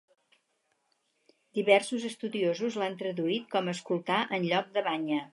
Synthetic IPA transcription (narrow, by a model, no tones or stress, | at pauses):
d̪iβɛrsuzəst̪uðiozuzlant̪ɾəðuit̪̚kɔməskulˠt̪aʔənʎɔk̚d̪əβaɲə